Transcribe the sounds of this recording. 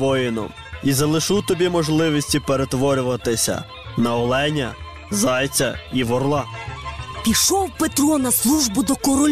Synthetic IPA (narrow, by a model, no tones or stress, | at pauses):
ʋɔjɪnɔ̰m | izɐlˠɪʃut̪ɔbʲimɔʒlˠɪʋisʲtʲipeɾet̪ʋɔɾʲʊʋɐt̪ɪsʲɐ̰ | nɐɔlˠɛnʲɐ̰ | zɑjt͡sʲɐiʋɔrlˠɑ | pʲiʃɔwpet̪ɾɔnɐslˠuʒbʊd̪ɔkɔɾɔlʲ